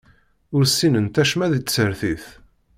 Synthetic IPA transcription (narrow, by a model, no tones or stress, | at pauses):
ʊɾsːinənt̪æʃmæðisəɾθiθ